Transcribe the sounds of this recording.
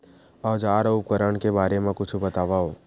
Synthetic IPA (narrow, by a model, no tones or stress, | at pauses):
ɔːd͡ʒaːɾʊpkəɾəɳ̃kebaːɾemẽkʊt͡ʃʰubɐt̪aːʋaɦoː